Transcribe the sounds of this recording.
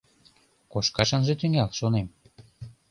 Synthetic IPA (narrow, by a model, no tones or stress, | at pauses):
koʃkɑʃɤ̆nʒĕt̪yŋælʃonem